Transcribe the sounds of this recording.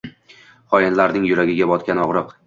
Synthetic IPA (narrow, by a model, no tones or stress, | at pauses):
χɒjɪnlaɾnɪŋjʊɾaɡʲɪɡʲabɒt̪kʲanɒʁɾɨq